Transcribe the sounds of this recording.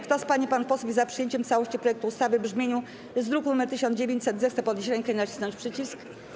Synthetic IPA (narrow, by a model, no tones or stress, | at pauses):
kt̪ɔspaɲipanfpɔswuvʲizapʂɘjeɲt͡ɕɛmft̪sawɔɕt͡ɕipɾɔjɛkt̪uːst̪avɘbʐmʲjeɲu | ɛzd̪ɾukunumɛɾt̪ɘɕ̬ɔnd͡ʑevʲjeɲt͡ɕsɛd̪zɛxt̪sɛpɔd̪ɲeɕ̬ɾɛŋkɛinat͡ɕi̥snɔɲt͡ɕʲpʂɘt͡ɕisk